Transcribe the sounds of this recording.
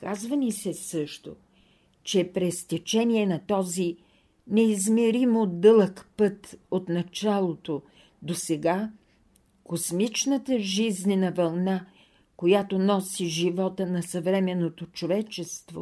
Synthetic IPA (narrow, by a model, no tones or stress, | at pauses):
kazvənisɛsɤʃt̪o̰ | t͡ʃɛpɾɛst̪ɛt͡ʃɛniɛnɐt̪ɔzi | nɛizmɛɾimod̪ɤlˠəkpɤt̪ot̪nɐt͡ʃalˠot̪o | d̪osɛɡa | kosmit͡ʃnət̪əʒiznɛnɐvɐlˠna | kojat̪onɔsiʒivɔt̪ənɐsɐvɾɛmɛnːot̪ot͡ʃovɛt͡ʃɛst̪vo̰